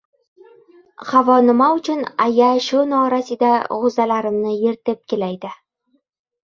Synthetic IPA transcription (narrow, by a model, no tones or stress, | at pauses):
χavɒnɪ̆maʊt͡ʃʰʊnajaʃunɒɾasid̪aʁʊzalaɾɪ̆mnɪjeɾt̪ɪp̚kʲelajd̪ɪ